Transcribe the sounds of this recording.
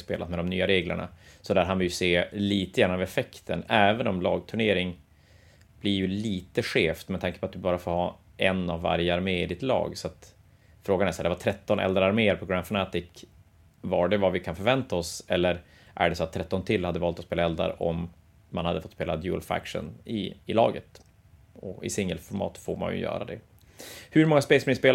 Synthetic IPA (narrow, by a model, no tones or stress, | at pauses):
speːla̰t̪mɛd̪ɔmnyːaɾeːɡlə̰ɳa̰sɔd̪æːɾkanvɪljɵseːliːt̪əɡjæːnːvɛfɛkt̪ʰə̰nɛːvənɔmlɑːɡ̚t̪ʰɵɳeːɾɪŋ | b̥lɪɾjɵliːt̪əɧeːft̪mɛd̪ʰaŋkə̥pʰɔat̪̚d̪ɵbɑːɾafoːɾhɑː | ʔɛnːavːa̰ɾjəaɾmeːɪd̪ɪt̪lɑ̰ːɡsɔat̪ | fɾoːɡanɛæʂæd̪ɛvaʈʰɾɛt̪ːɔnʔɛ̰ld̪ɾəaɾmeːəɾpʰɔɡɾanfɔnɛt̪ɪk | vaɖɛvavɪkʰanfœɾvɛnt̪aɔsɛlːəɾ | ʔæ̰ɖɛsɔat̪ʰːɾɛt̪ːɔnt̪ʰɪlːhad̪ːəvɑːlt̪ɔspeːlaɛld̪a̰ɾ̰ʔɔmː | anhad̪əfɔt̪ːspeːlad̪juːlfæ̰kʂə̰nɪːlɑ̰ːɡət̪ | ɔɪ̰sɪŋːəlfɔɾmɑ̰ːt̪foːɾma̰njɵ̰jœ̰ːɾa̰d̪ɛ̰ | hɵɾmɔŋːaspɛɪsmɪnspeːl